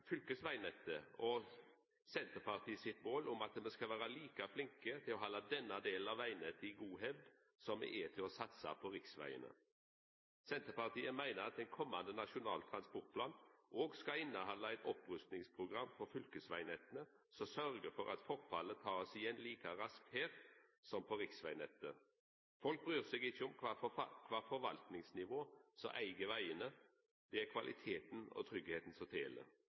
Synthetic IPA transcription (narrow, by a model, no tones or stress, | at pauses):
fʏlkəsʋæɪnɛt̪ːəɔ | sɛnt̪əpɑʁt̪ʰiːsɪt̪moːlʊmɑt̪mɛskɑlʋæːɾɑliːkɑflɪŋkət̪ʰɪlɔɦɑːlɑd̪ɛnːɑd̪eːlənɑʋæɪnɛt̪ʰɪɡuːɦɛʋd̪ | sɔmɛ̰ʔɛt̪ʰɪlɔsɑt̪sɑ̰pʰɔɾɪksʋæ̰ɪə̰nə̰ | sɛnt̪əpɑʁt̪ʰiːəmæɪnəɾɑt̪ɛɪnkʰɔmːɑnd̪ənɑʃʊnɑ̰ːlt̪ʰɾɑnspɔʁt̪̚plɑːnʔoːɡskɑɪnːəhɑnlɑɛɪt̪ɔpʁʉst̪nɪŋspʰʁʊɡʁɑmːfɔɾfʏlkəsʋæɪnɛt̪ːənə | sɔsœʁɡəfɔɾɑ̰t̪fɔʁfɑlət̪ʰɑːsɪjɛnliːkɑʁɑsk̚t̪heːɾsɔmpʰɔʁɪksʋæɪnɛt̪ːə | fɔlk̚bʁyːʁsɛɡɪçːəʊmkʰʋɑːfɔɾʋɑ̰lt̪nɪŋsnɪʋoːsɔ̰ʔæɪɡəʋæɪənə | d̪̥ɛækʰʋɑlʔɪ̰t̪ʰeːt̪n̩ɔ̰t̪ʰʁʏɡheːt̪n̩sɔt̪ʰḛːlə̰